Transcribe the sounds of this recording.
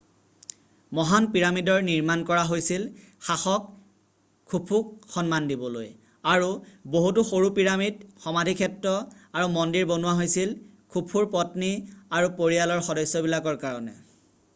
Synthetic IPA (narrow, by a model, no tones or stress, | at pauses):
mɔɦanpiɹamidɔɹniɹmankɔɹaɦojsil | xaxɔk̚ʰː | upʰukxɔnmandibɔlo̰j | aɹuboɦutuxoɹupiɹamidxɔmadʱikʰɛtɹɔaɹumɔndiɹbonuwaɦojsil | kʰupʰuɹpɔtniaɹupoɹijalɔɹxɔdɔjsːɔbilakɔɹkaɹɔnɛ̰